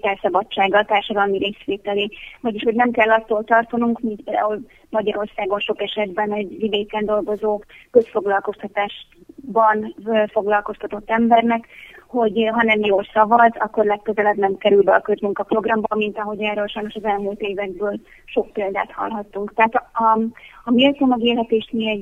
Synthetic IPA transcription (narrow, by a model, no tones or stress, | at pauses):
t̪ɛlsɒbɒt͡ʃːaːɡːɒlt̪aːrʃɒd̪ɒlmiɾeːsʋeːt̪ɛleːvɒɟiʃho̞ɟnɛmkɛlːɒt̪ːoːlt̪ɒrt̪onuŋkmint̪̚peːld̪a̰ːɦul | mɒɟɒɾo̞rsaːɡo̞nʃo̞kɛʃɛd̪bɛnɛɟvid̪eːkɛnd̪o̞lɡo̞zoːkø̞sfo̞ɡlɒlko̞st̪ɒt̪aːʃ | bɒnfo̞ɡlɒlko̞st̪ɒt̪o̞t̪ːɛmbɛrnɛkho̞ɟɦɒnɛmjoːlsɒvɒzɒkːo̞rlɛkːøzɛlɛbnɛmkɛɾylbɛɒkøzmuŋkɒpro̞ɡrɒmbɒmint̪ɒɦo̞ɟɛrːøːlʃɒjno̞ʃɒzɛlmuːlt̪eːvɛɡ̚bøːl | ʃo̞k̚peːld̪a̰ːt̪hɒ̰lɦɒt̪ːuŋkt̪ɛɦat̪ɒɒmiøt̪ːomɛɡeːlɦɛt̪eːʃt̪miɛ